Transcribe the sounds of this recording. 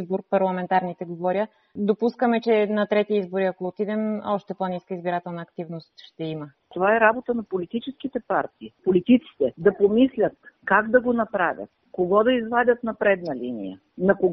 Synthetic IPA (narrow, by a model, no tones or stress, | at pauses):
zboɾpɐɾlˠɐmɛnt̪aɾnit̪ɛɡovɔɾʲjə | d̪opuskəmɛt͡ʃɛnɐt̪ɾɛt̪iizboɾiɐkoːt̪id̪ɛmɔʃt̪ɛponiskəizbiɾat̪ɛlˠnɐːkt̪ivnost̪ʃt̪ɛimə | t̪ovaɛɾabot̪ənɐpolit̪it͡ʃɛskit̪ɛpaɾt̪iːpolit̪it̪si̥t̪ɛd̪ɐpomislʲət̪kaɡd̪ɐɡonɐpɾavʲjə̰t̪koɡɔd̪ɐizvad̪ʲət̪nɐpɾɛd̪nɐlinḭjə̰ | nɐko